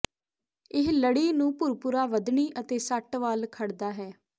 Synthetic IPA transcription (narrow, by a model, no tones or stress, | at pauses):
ɪɦləɽiːnũːpʊɾpʊɾaːʋəd̪ɳiːʔət̪eːsəʈʋaːlkʰəɽd̪aːɦɛː